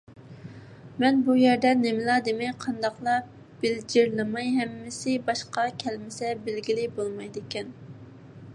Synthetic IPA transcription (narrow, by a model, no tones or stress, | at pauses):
mɛnbujɛɾd̪ɛnemɪlɑd̪emɛjqʰɑnd̪ɑqlˠɑ | b̥ɪld͡ʒɪɾlˠɨmɑjɦɛmːɪsɪbɑʃqɑkʲʰɛlmɪsɛbɪlɡʲilɪbolˠmɑjd̪ɪkʲɛn